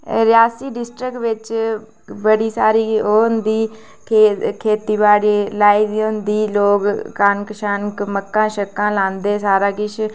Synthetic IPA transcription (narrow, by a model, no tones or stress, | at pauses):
ɾɪjaːsiːɖɪsʈɾɪkʋɪt͡ʃ | bəɽiːsaːɾiːond̪iː | kʰeːkʰeːt̪iːbaːɽiːlaːiːd̪iːond̪iːloːɡkankəʃənkməkːãːʃəkːãːlãːnd̪eːsaːɾaːkɪʃ